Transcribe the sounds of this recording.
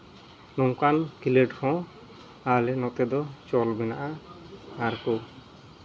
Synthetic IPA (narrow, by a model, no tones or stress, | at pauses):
nɔŋkankileɖhɔ̃ | alɛnɔt̪ɛd̪ɔt͡ʃɔlbɛna̰ʔa | aɾko